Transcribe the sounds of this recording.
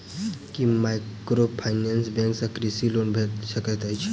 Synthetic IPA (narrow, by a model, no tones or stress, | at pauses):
kimajkɾopʰajnensbẽŋksakɾisilonbʱet̪səkət̪ajt͡ʃʰ